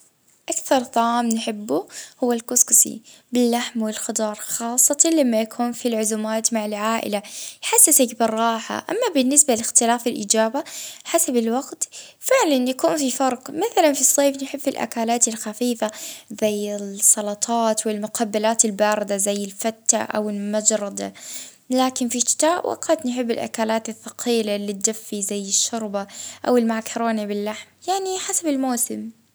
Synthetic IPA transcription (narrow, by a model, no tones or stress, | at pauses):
ʔakθɑɾˤt̪ˤɑʕaːmnħɪbːʊhʊwːalkʊskʊsḭ | bɪlːaħmwɪlxɑd̪ˤɑːɾˤxɑːsˤːɑt̪ɑlamːajakʰuːnfilʕʊzuːmaːt̪maʕɪlʕaːʔɪ̰lajħasːasakbɪrˤːɑːħa̰ʔa̰mːabɪnːɪsbalɪxt̪ɪlaːfɪlʔɪːd͡ʒaːbaħasabɪlwaɡt̪fɪʕlanjakuːnfifɑɾˤqmaθalanfisˤːeːfnħɪbːɪlʔa̰kaːlaːt̪ɪlxafiːfazajːɪsˤːɑlɑt̪ˤʰɑːt̪wɪlmʊqʰabːalaːt̪ɪlbaːɾˤɪd̪azajːɪlfat̪ːa̰ʔa̰wɪlmad͡ʒɾˤɑd̪a̰ | laːkɪnfiʃɪ̥t̪aːʔwʔa̰qat̪nħɪbːɪ̰lʔa̰kaːlaːt̪ɪθːɑqʰiːlalɪt̪̚d̪afːizajːɪʃːʊɾˤbaʔawɪlmaʕkʰɾɑːnabɪlːaħmjaʕniħasabɪlmoːsɪm